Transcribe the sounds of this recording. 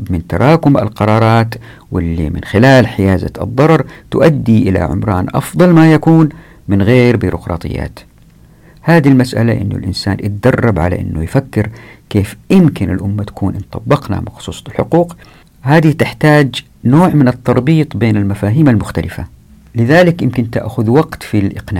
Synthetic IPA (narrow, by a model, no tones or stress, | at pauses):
mɪnt̪ɑ̰ɾˤɑːkʊmʔa̰lqɑɾˤɑːɾˤɑːt̪ | wɪlːḭmɪ̰nxɪlaːlħɪjaːza̰ðˤːɑɾˤɑɾˤt̪ʊ̰ʔad̪ːiʔɪla̰ʕʊ̰mɾˤɑ̰ːnʔɑ̰fðˤɑlmajakuːn | mɪnɣeːɾbiːɾṵqɾˤɑ̰ːt̪ˤɨ̰jːa̰ːt̪ | haːd̪ilmasʔa̰la̰ʔɪ̰nːʊ̰lʔɪ̰nsaːnʔɪt̪̚d̪ɑrˤːɑbʕa̰la̰ʔɪ̰nːujfakːɪɾkeːfjɪmkɪnɪ̰lʔʊmːat̪ḁkuːnʔɪnt̪ˤɑbːɪqna̰mɑxsˤuːsˤɑlħʊquːq | haːd̪it̪ɪħt̪aːd͡ʒ | noːʕmɪnɨt̪ˤːɑɾˤbiːt̪ˤbeːnɪlmafaːɦiːmalmʊxt̪alɪfa̰ | lɪðaːlɪkjɪmkɪnt̪a̰ʔxʊðwɑɡt̪filʔɪqnaː